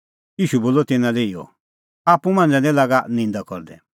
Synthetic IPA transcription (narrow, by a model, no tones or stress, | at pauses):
jiːʃuboːlɔt̪ɪnãlɛiːɔ̰ | apũmãːnd͡zɛ̃lɛ̃laːɡanɪ̃nd̪akɔ̰ɾd̪ɛ̰